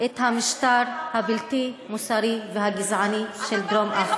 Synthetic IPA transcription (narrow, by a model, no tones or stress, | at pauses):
ʔet̪hamiʃt̪aɾhabilt̪imusaɾiveɦaɡizʕaniʃeld̪ɾomʔaχ